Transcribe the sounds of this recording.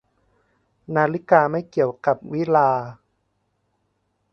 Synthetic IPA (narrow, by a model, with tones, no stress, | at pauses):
naː˧li˦˥kaː˧ma˥˩jki˨˩əwka˨˩p̚wi˦˥laː˧